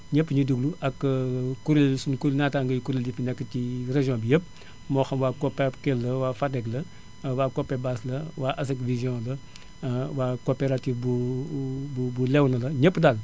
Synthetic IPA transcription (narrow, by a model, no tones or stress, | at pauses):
ɲəpːɲiduɡluʔɐkːkuɾelsunkulnataŋɡəjkuɾildifinɛkːəcireʒjɔ̃ːbijəp̚ | mɔxɐmwaːkopːekɛlːɐwaːfadɛklɐ | waːkopebaslɐwaːʔas̬ekvizjõlɐ | waːkopeɾatifbu | bubulɛwnɐlɐɲəpːdal